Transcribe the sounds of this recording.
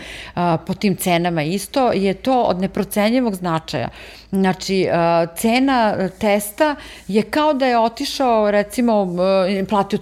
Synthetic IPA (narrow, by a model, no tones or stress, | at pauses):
pot̪iːmt̪seːnamaist̪o̞jet̪oːo̰d̪nepɾot̪seɲiʋo̞ɡznat͡ʂa̰ja̰ | znat͡ʂiət̪seːnat̪est̪a | jekaod̪ajeot̪iʃaoɾɛt̪simoplˠaːt̪io